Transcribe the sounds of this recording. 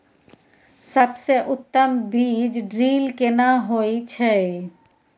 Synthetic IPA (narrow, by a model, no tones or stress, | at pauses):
səbseʔut̪ːəmbid͡ʑɖɾilkenaɦoet͡ʃʰe